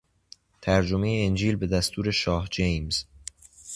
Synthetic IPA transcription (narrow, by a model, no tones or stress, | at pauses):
t̪ʰæɾd͡ʒome̞jeːnd͡ʒiːlbe̞d̪æst̪ʰuːɾe̞ʃɒːhd͡ʒejmz̥